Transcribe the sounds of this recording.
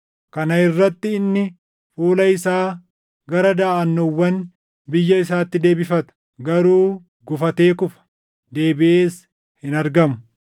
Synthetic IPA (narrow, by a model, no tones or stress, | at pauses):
kɐnɐɪrːɐt̪ːɪɪnːɪ | fuːlɐɪsaː | ɡɐɾɐd̪aːʔɐnːɔwːɐn | bɪjːɐɪsaːt̪ːɪd̪e̞ːbɪfɐt̪ɐ̥ | ɡɐɾuː | ɡʊfɐt̪e̞ːkʊfɐ̥ | d̪e̞ːbɪʔeːs | hɪnɐɾɡɐmʊ̥